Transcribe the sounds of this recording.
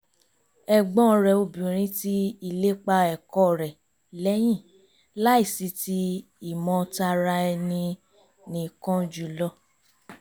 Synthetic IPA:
ɛ˨ɡ͡bɔ̃˦˧ɾɛ˨o˧bĩ˨ɾ̃ĩ˧˦ti˦i˧˨le˦k͡pa˧ɛ˨kɔ˧˨ɾɛ˨ | lɛ˦j̃ĩ˦˨ | la˦i˦˨si˧ti˧ | i˨mɔ̃˧˦˧ta˧ɾa˧ɛ˧nĩ˧ | nĩ˨kɔ̃˦d͡ʒu˨lɔ˧˦

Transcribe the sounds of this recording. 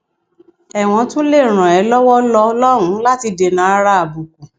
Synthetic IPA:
ɛ˨w̃ɔ̃˧tũ˦le˦˨ɾ̃ã˨ɛ˨˦lɔ˦wɔ˦lɔ˧lɔ˦ɾũ˨˦la˦ti˧de˨nã˨˦a˧ɾa˧a˨bu˨ku˨

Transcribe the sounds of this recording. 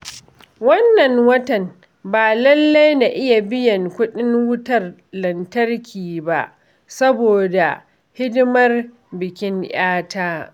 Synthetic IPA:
wɐ˦nːɐ˨ŋwɐ˦tɐ˨n | baː˨lɐ˦lːa˦jna˨ʔɪ˦ja˨bɪ˦jɐ˨ŋkʷʊ˦ɗɪ˦ŋwʊ˦tɐ˨rlɐ˨ntɐ˦rkʲʰiː˨ba˦ʔ | sɐ˦boː˨da˨ | hɪ˦dɪ˦mɐ˦r | bɪ˨kʲɪ˦ŋj̰aː˦tʰaː˦

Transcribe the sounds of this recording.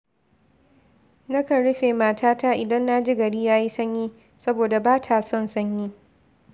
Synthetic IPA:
nɐ˦kɐ˨ɽʊ˦ɸeː˨maː˨taː˦taː˦ʔɪ˨dɐ˦nːa˦d͡ʒɪ˦ɡɐ˨ɽiː˦jaː˦ji˦sɐ˦ɲjiː˦ | sɐ˦boː˨da˨baː˦tʰaː˨sɔ˦˨nsɐ˦ɲji˦

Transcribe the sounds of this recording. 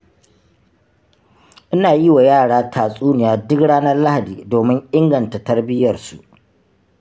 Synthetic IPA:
ʔɪ˦naː˨jɪ˦wa˨jaː˦˨ɽaː˦tʰaː˨sʼuː˦nɪ˨jaː˨dʊ˦kɽaː˦nɐ˦rla˦ha˨diː˨doː˨mɪ˦ŋʔɪ˦ŋɡɐ˨nta˨tɐ˦rbɪ˦jɐ˨rsu˨ʔ

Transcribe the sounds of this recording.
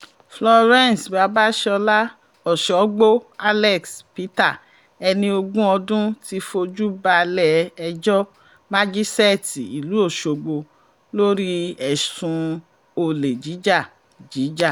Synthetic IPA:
flɔ˧ɾɛ̃˦˨n˨sba˨˦ba˦ʃɛ˦ɔ˧la˦ | ɔ˨ʃɔ˨˦ɡ͡bo˦a˦lɛ˦˨kspi˦ta˦˨ | ɛ˧nĩ˧o˧ɡũ˦ɔ˧dũ˦ti˧fo˧d͡ʒu˦ba˧lɛ˦˨ɛ˧d͡ʒɔ˦ | ma˦d͡ʒi˦sɛ˦˨ti˨i˨lu˨˦o˦˨ʃo˨ɡ͡bo˧ | lo˦ɾi˦ɛ˨sũ˧ | o˨le˨d͡ʒi˨˦d͡ʒa˦˨ | d͡ʒi˨˦d͡ʒa˦˨

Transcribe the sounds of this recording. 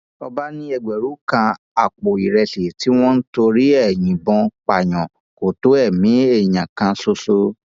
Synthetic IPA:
ɔ˧ba˦nĩ˧ɛ˧˨ɡ͡bɛ˨ɾu˨˦kã˧ | a˨k͡po˨i˨ɾɛ˧ʃe˨ti˦w̃ɔ̃˦n̩˦to˧ɾi˦ɛ˦˨j̃ĩ˨bɔ̃˧˦k͡pa˨j̃ɔ̃˨ | ko˨to˨˦ɛ˦˨mĩ˨˦e˦˨j̃ã˨kã˧so˧so˧

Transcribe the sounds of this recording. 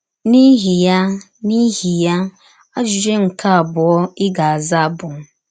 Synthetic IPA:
ni˦ɦi˨ja˦ | ni˦ɦi˨ja˦ | a˦d͡ʒʊ˨ɾe˦ŋ̩˨kʰa˦a˨bʊ˨ɔ˦ɪ˦ɡa˨a˨za˦bʊ˨ŋ̩˨

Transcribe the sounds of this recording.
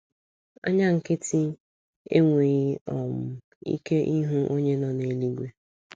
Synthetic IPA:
ɔ̰˦ɲa˦ŋ̩˨kɪ˦ti˦ | ḛ˦ŋʷe˨ɣɪ˦ɔ˨m̩˨ | ḭ˦ke˦ʔi˦ɦu˦ʔo˦ɲe˦nɔ˨ne˨li˦ɡʷe˦

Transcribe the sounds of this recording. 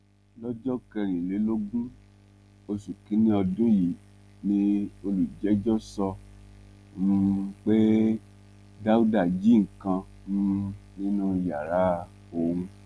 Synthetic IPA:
lɔ˦d͡ʒɔ˦kɛ˧ɾĩ˨le˨˦lo˦ɡũ˦ | o˧su˨kĩ˨˦nĩ˦ɔ˧dũ˦ji˨ | nĩ˦o˧lu˨d͡ʒɛ˨˦d͡ʒɔ˦sɔ˧ | m̩˦k͡pe˦ | da˦u˦da˦˨d͡ʒi˨˦ŋ̩˨kã˧ | m̩˦nĩ˦nũ˦˧ja˨ɾa˦ | o˧hũ˧

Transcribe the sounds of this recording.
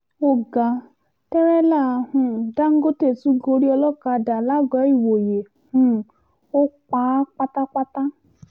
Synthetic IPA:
o˦ɡa˨ | tɛ˦ɾɛ˦la˦˨hũ˨da˦ŋ̩˦ɡo˦te˦˨su˦ɡo˧ɾi˦ɔ˧lɔ˦ka˧˦da˨la˦ɡɔ˨˦i˦˨wo˨je˨ | hũ˦ | o˦k͡pa˨˦k͡pa˦ta˦k͡pa˦ta˦

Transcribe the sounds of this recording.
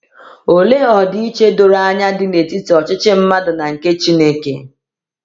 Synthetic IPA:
o˨le˦ɔ˨di˦i˦t͡ʃe˦do˨ɾa˦a˦ɲa˦dɪ˨ne˨ti˦ti˨ɔ˨t͡ʃɪ˦t͡ʃɪ˦m̩˦ma˦dʊ˨na˨ŋ̩˨ke˦t͡ʃi˦ne˦kḛ˦

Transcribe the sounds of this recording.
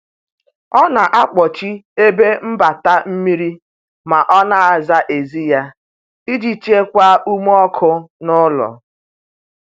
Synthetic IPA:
ɔ˦na˨ʔa˦k͡pɔ˨t͡ʃi˦e˦be˦m̩˦ba˨ta˦m̩˦mi˦ɾi˦ | ma˨ʔɔ˦na˨a˨za˦ʔe˨zi˦ja˦ | i˦d͡ʒi˦t͡ʃe˦kʷa˦ʔu˦m˦ɔ˦kʰʊ˦nʊ˦lɔ̰˨

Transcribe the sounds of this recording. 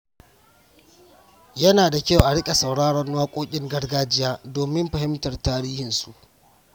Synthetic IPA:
jɐ˦naː˨da˨kʲa˦wʔa˨ɽɪ˦kʲʼe˨sɐ˨wɽaː˦ɽɔ˦nwaː˦kʷʼoː˦kʲʼɪ˦ŋɡɐ˦rɡaː˦d͡ʒɪ˦jaː˦doː˨mɪ˦mɸɐ˨ɦɪ˦mtɐ˨rtaː˦ɽiː˦hɪ˨nsu˨ʔ

